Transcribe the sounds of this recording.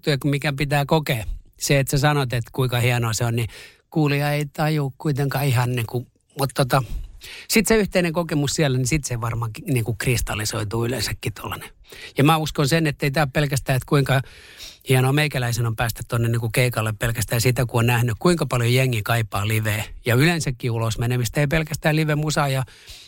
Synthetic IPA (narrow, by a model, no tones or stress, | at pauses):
t̪uɑkumikæpit̪æːkokeseet̪sesɑnot̪et̪kuiŋkɑhiɛnoːseonni | kuːliɑeit̪ɑjukkuit̪eŋkɑihɑnniːku | mut̪t̪ot̪ɑsit̪seyht̪eineŋkokemussiælːænisit̪seʋɑrmɑkiniːŋkukrist̪ɑlisoit̪uːylensækːit̪o̰lːɑne̥ | jɑmæːuskonsenet̪ːeit̪æːpelkæst̪æːet̪kuiŋkɑ | hiɛnomeikælæisenompæːst̪yt̪t̪onːenniːŋkukeikɑlːeppelkæst̪æːsit̪ækuonnæhnykkuiŋkɑpɑljojeŋːikɑipɑːliʋeːjɑylensækːiulosmenemist̪eipelkæst̪æːliʋemusɑjɑ